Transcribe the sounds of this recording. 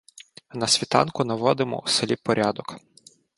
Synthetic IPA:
nɐsʲʋʲit̪ɑ̰nkʊnɐʋɔd̪ɪmɔ̰uselʲipɔɾʲɑd̪ɔk

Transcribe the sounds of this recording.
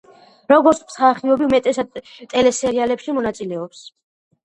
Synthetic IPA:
ɾɔɡɔɾt̪sʰmsχaχiɔbiumɛt̪ʼɛsad̪ | t̪ʼɛlɛsɛɾialɛpʃimɔnat̪sʼilɛɔps

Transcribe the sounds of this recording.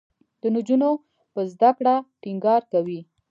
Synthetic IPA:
d̪̥ənʊd͡ʒuno | pəzd̪akɽaʈiŋɡɑɾkawi

